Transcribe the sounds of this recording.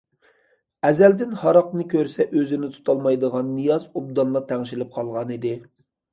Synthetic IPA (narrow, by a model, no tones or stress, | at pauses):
ɛzɛld̪ɪnhɑɾɑqnɨkʲʰøɾsɛʔøzɪnɪt̪ʰu̥t̪ʰɑlˠmɑjd̪əʁɑnːɨjɑzub̚d̪ɑnlˠɑt̪ʰɛŋʃilɪp̚qʰɑlˠʁɑnid̪ɪ